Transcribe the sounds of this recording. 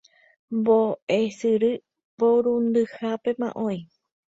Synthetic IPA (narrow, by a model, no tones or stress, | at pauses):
mboʔesɨɾɨ | poɾũnd̪ɨhape̞mã̰ʔõj̃